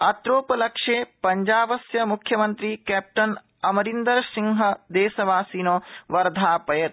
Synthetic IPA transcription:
ɐt̪ɾoːpɐlɐkʂeːpɐɲd͡ʒaːbɐsjɐmukʰjɐmɐnt̪ɾiːkɛːp̚ʈɐn | ɐmɐɾind̪ɐɾsiŋɦɐd̪eːsɐʋaːsiːnoːʋɐɾd̪ʱaːpɐjɐt̪

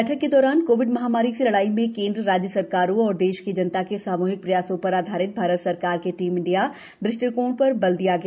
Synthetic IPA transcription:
ɛːʈʰəkːed̪ɔːɾaːnkoːʋɪɖmɐɦaːmaːɾiselɐɽaːimẽkẽːnd̪ɾəɾaːd͡ʒjəsɐɾkaːɾõɔːɾd̪eːʃked͡ʒɐnt̪akesaːmuːɦɪk̚pɾɐjaːsõpɐɾaːd̪ʱaːɾɪt̪̚bʱaːɾət̪sɐɾkaːɾkeʈiːmɪ̃ɳɖija | bɾɪsʈəɾkoːɳpɐɾbɐld̪ijaɡɐa

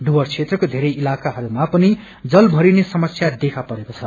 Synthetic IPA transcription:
ɖuwʌrt͡sʰet̪rʌkod̪ʱeɾʌjilakaɦʌɾumapʌni | d͡zʌlbʱʌɾinesʌmʌsjad̪ekʰapʌɾekot͡sʰʌ

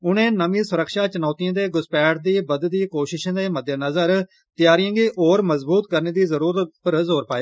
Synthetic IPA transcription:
ʊnẽːnəmĩːsʊɾəkʃaːt͡ʃənaːt̪ijãːd̪eːɡʊspɛːʈ̚d̪iːbəd̪d̪iːkoːʃɪʃãːd̪eːməd̪jənəzəɾ | t̪ɪjaːɾijãːɡiːʔoːɾməzbuːt̪̚kəɾneːd̪iːzəɾuːɾət̪pəɾzoːɾpaːeː

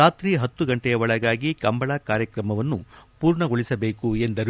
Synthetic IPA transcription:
aːt̪ɾiːɦɐt̪ːuɡɐɳʈɛjɐʋɔɭɐɡaːɡikɐmbɐɭaːkaːɾjɐkɾɐmɐʋɐnːupuːɾɳɐɡo̞ɭisɐbe̞ːkue̞nd̪ɐɾu

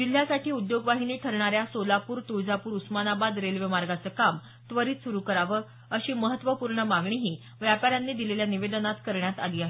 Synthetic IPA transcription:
d͡ʑil̤jasaʈiːud̪joɡʋaɦiniːʈʰəɾɳaɾjasolapuːɾt̪ud͡zapuːɾusmanabad̪ɾelʋemaɾɡat͡səːkam | t̪ʋəɾiːt̪suɾukəɾaʋə | əɕiːməɦət̪ːʋəpuɾɳəmaɡɳiɦiː | ʋjapaɾjanːiːd̪ileljaniʋed̪ənat̪kəɾɳjat̪aliːaɦe

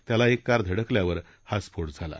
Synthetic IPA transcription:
t̪jalaekːaɾd̪ʱəɽəkljaʋəɾ | hasfoɽd͡zʱala̰

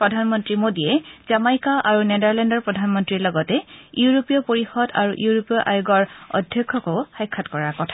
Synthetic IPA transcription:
pɹɔdʱanmɔntɹimodiɛzamajkaʔaɹunɛdaɹlɛndɔɹpɹɔdʱanmɔntɹiɹlɔɡɔtɛiuɹopijɔpoɹixɔda̰ɹuʔuuɹopijɔʔa̰juɡɔɹɔ̰dʱjɔkʰːɔkoʊxajkʰːatkɔɹaɹkɔtʰḁ

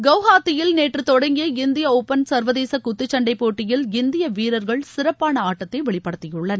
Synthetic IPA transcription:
ɡɐʊɦaːt̪ːɪjɪlneːʈrɯt̪ɔɽɐŋɡɪjɐɪnd̪ɪjɐoːpːɐnsɐɾʋɐðeːsɐkʊt̪ːɪt͡ʃːɐɳɖɐɪpːoːʈːɪjɪlɪnd̪ɪjɐʋiːɾɐɾɣɐɭsɪɾɐpːaːnɐaːʈːɐt̪ːɐɪʋɛɭɪpːɐɽɐt̪ːɪjɯɭːɐn

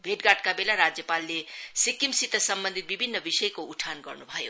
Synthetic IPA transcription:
bʱeʈɡaʈkabelaɾad͡zjʌpalːesikimsit̪ʌsʌmbʌnd̪ʱit̪̚bibʱinːʌbisʌjkouʈʰanɡʌrnubʱʌjo

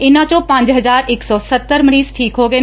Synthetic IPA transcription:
ɪnãt͡ʃõpãːɲd͡ʒɦɐzaːɾɪksɔsɐt̪ːəɾməɽiːzʈʰiːkɦoːɡe

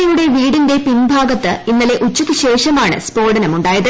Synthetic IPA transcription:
ɐjuɽe̞ʋiːɽinde̞pinbʱaːɡɐt̪ːɨinːɐle̞ʔut͡ɕːukːɨɕe̞ːʂɐmaːɳɨ̰spo̞ːrɖɐnɐmuɳɖaːjɐðɨ

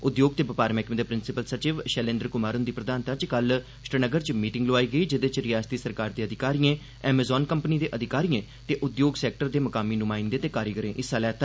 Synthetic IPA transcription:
ʊd̪joːɡ̚t̪eːbəpaːɾmɛːkmːd̪eːpɾɪnsɪpəlsət͡ʃiːʋʃɛːlẽːnd̪əɾkʊmaːɾʊ̃nd̪iːpɾəd̪aːnt̪ãːt͡ʃkəl | ʃʈɾənəɡəɾt͡ʃmiːʈɪŋɡloːaːiːɡəiːd͡ʒɪd̪eːt͡ʃɾɪjaːst̪iːsəɾkaːɾd̪eːəd̪ʱɪkaːɾiẽː | ɛːmezɔːnkəmpəniːd̪eːʔəd̪ʱɪkaːɾiːẽː | t̪eːʔʊd̪joːɡsɛːk̚ʈəɾd̪eːməkaːmiːnʊmaːɪnd̪eːt̪eːkaːɾiɡəɾẽːʔɪsːaːlɛːt̪aː

